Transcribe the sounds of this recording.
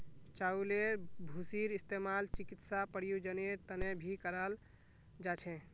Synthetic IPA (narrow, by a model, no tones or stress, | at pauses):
t͡ʃaulebʱusiɾist̪emalt͡ʃikit̪sapəɽijud͡ʒəneɾt̪ənebʱikəɾəl | d͡ʒat͡ʃʰɛ̃